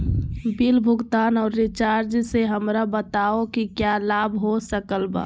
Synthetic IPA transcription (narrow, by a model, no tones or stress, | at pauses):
bilbʱʊɡt̪aːnɔːɾːɪt͡ʃaːɾd͡ʒseɦəmɾabət̪aokikjalabʱɦosəkəlba̰ː